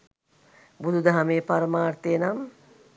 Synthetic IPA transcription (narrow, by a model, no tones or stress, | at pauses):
bud̪ud̪ɐɦameːpaɾəmaːrt̪ejənam